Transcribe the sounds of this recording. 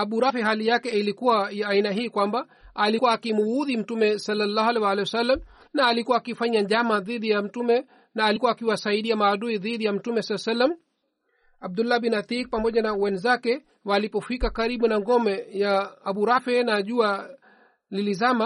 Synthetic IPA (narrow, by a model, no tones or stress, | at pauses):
aɓuɾafɛɦalijakɛilikuwajːinaɦiːkwamba | alikuwakimuuðim̩tumɛsalːalːahalɛwalɛjwasalːam | naːlikuwaːkifaɲaʄamaðiɗijam̩tumɛ | naːlikuwaːkiwasaiɗiamaːɗuiðiɗijam̩tumɛsalsalːam | ab̚dulːahɓinaθik̚pamɔʄanawɛnzakɛ | walipɔfikakaɾiɓunaŋɡɔmɛjaːɓuɾafɛnaʄua | lilizama